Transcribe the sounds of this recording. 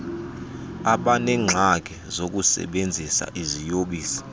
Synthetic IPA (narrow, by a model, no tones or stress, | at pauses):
aɓanɛːŋ͡ǁʱak̬ɛzok̬ʼusɛ̰ɓend͡zʱisa̰ʔizijoɓiːsi̥